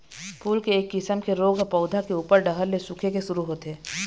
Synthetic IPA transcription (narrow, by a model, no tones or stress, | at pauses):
pʰuːlkeːkːɪsəmkeɾoːɡʱpɔːʊd̪ʱakeuːpəɾɖɐɦəlːesʊkʰekeʃʊɾuɦoːt̪eː